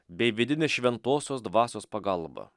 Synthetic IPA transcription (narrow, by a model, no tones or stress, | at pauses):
bʲɛɪʋʲɪd̪ʲɪnʲeːsʃʲʋʲɛnt̪oːsʲoːs̬d̪ʋɑːsʲoːspɐɡɐlˠbɐ̰